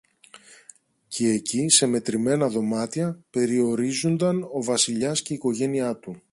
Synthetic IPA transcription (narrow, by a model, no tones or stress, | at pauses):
cʰe̞ːcise̞me̞t̪ɾime̞nɐðo̞mɐt̪çɐpe̞ɾio̞ɾizund̪ɐno̞vɐsiʎɐsce̞iko̞ʝe̞niɐt̪u